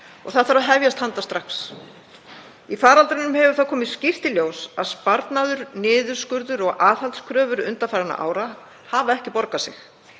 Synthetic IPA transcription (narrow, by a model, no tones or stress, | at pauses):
ɔ̰ɣθaðθaɾaðɦɛvjast̪hant̪ast̪ɾaxs | ifaːɾalt̪ɾɪnʏmhɛvʏɾ̥θawkʰɔːmɪðscɪft̪ɪljoːwsaðspaɾt̪naðʏɾnɪːðʏɾ̥skʏɾðʏɾɔɣaːhalt̪skʰɾœːvʏɾʏ̰nt̪afajɾana̰ʔa̰ːwɾa | haːvaɛhcɪpɔɾkasɪ̰x